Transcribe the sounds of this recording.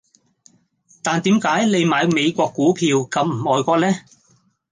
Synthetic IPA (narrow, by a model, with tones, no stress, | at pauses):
t̪aː˨nt̪iː˨˥mkaː˨˥jle˨˧jmaː˨˧jme˨˧jkʷɔː˧kːuː˨˥pʰiː˧wkɐ˨˧mm̩˨˩ɔː˨jkʷɔː˧lɛː˥